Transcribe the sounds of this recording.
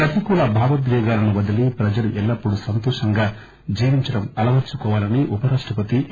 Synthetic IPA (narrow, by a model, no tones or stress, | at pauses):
pɾɐt̪ikuːlɐbʱaːʋɐd̪ɡɛːɡaːlɐnuʋɐd̪ɐlipɾɐd͡ʒɐluʔɛlːɐpːuɽusɐnt̪ɔːʂɐŋɡaː | d͡ʒiːʋiɲt͡ʃɐɽɐmɐlɐʋɐt͡ʃːukɔːʋaːlɐniʔupɐɾaːʂʈɐpɐt̪i